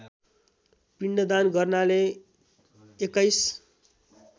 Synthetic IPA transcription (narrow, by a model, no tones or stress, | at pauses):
piɳɖʌd̪anɡʌrnale | kʌjs